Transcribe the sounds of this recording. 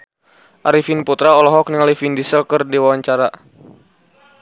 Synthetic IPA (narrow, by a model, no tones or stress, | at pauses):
ʔaɾifinput̪ɾaɔlɔɦɔk̚niŋalifindisəlkərdiwawaɲt͡ʃaɾa